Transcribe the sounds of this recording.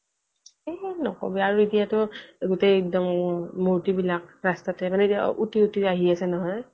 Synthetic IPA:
ɛnɔ̰kɔ̰bɛaɹuetijatʊɡʊtek̚dɔmːoɹtibilak̚ɹastatɛmanɛtia̰utiutiaɦiasɛnɔɦɔj

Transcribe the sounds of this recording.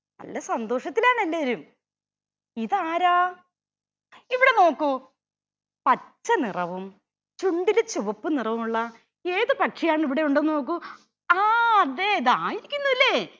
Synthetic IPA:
nɐ̰lːɐsɐnd̪o̞ːʂɐt̪ːilaːɳɐlːeʋɐɾum | iðaːɾaː | iʋiɽe̞no̞ːkːu | pɐt͡ɕːɐnirɐʋum | t͡ɕuɳɖilt͡ɕuʋɐpːɨnirɐʋumuɭːɐ | eːðɨpɐʈʂejaːɳiʋiɽe̞uɳɖeno̞ːk̬ːu | aːɐd̪eiðaːjiɾikʲːunːɐðilːeː

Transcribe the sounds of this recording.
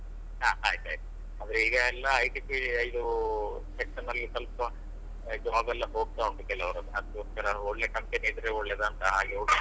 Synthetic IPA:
ɦaːaːjt̪a̰jt̪ | aːd̪ɾeiːɡɐɛlːɐːjʈiːpiid̪u | sekʂɐnːɐlːisɐlpɐ | d͡ʒɐaːɡɐlːɐɦo̞ːɡ̚t̪aːɡuɳɖukɛlːɐʋɐɾɐnːuɦɐt̪ːuoskɐɾɐoɭːe̞kɐmpeniːd̪ɾeɔɭːed̪aːnt̪ɐɦaːɡeoɡ

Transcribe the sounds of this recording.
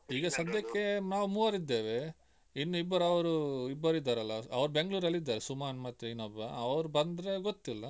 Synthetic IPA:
iːɡɐsɐd̪jɐkːenaːʋmuʋɐɾid̪ːeːʋe | inːuibːɐɾɐʋɐɾuibːɐɾid̪ːaːɾɐlːɐɐ̰ʋɐɾube̞ŋɡɭuːɾɐlːid̪ːaːɾesumaːnmɐt̪ːɾeinɐbɐɐʋɐɾubɐnd̪ɾeɡot̪ːilːɐ

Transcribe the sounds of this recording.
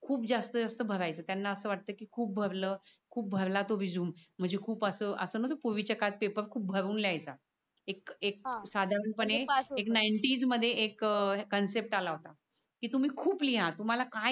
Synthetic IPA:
kʰuːpd͡zast̪əd͡zast̪əbʱəɾajt͡səːt̪janːaəsəːʋaʈ̚t̪əːkiːkʰuːp̚bʱəɾləːkʰuːp̚bʱəɾlat̪oʋid͡zuːm̤ːəɳd͡zekʰuːpəsəːʔəsəːnət̪opoʋit͡ɕəkat̪̚pepəɾkʰuːp̚bʱəɾuːnljajt͡sa | ekek̚sad̪ʱaɾəɳpəɳeeknajɳʈiːd͡zməd̪ʱːjeʔekːənsep̚ʈalaɦot̪a | kiːt̪um̤iːkʰuːpliɦat̪um̤alaka

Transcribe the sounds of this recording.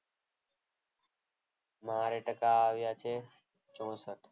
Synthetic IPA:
maːɾeːʈəkaːʋɪjaːt͡ʃʰeː | t͡ʃoːsət̪

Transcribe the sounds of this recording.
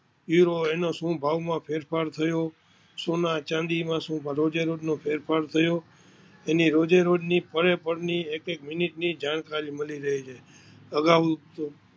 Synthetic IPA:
juɾoenosũbʱaʋmãpʰeɾfʰaɾt̪ʰəjo | sonat͡ʃãnd̪imãsũbɾod͡ʒeɾoɖnõpʰeɾpʰaɾt̪ʰəjo | eniɾod͡ʒeɾoɖnipəɾepəɾniekekmɪniʈnid͡ʒaɳ̃kaɾiməliɾəɦit͡ʃʰe | əɡaʋt̪o

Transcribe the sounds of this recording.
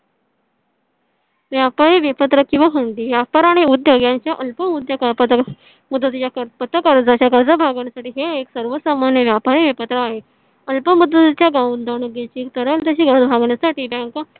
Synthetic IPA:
ʋjapaɾiʋepət̪ɾəkĩw̃ʋaɦəɳʈ̪iːʋjapaɾaɽ̃iud̪joɡjãɲt͡ɕjaʔəlpəmud̪jakpə | mud̪ːət̪it͡ɕjakəpət̪əkəɾd͡zaɕjaɡəɾd͡zəbʱaɡaɳjasaʈiːɦeːksəɾʋəsamanjəʋjapaɾiʋepət̪ɾəaɦe | əlpəmud̪ət̪t͡ɕjaɡãwund̪əɳəɡet͡ɕiːt̪əɾəlt̪əɕiːɡəɾd͡zbʱaɡɳjasaʈiːbãŋka

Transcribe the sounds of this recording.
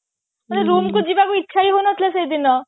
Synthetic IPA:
maneɾomkod͡ʑibakoitːʃʰaiɦonɔt̪ʰilesejd̪inɔ

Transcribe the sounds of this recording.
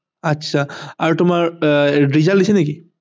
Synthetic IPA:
atːʃʰaaɹutʊmaɹɖizaldisɛneki

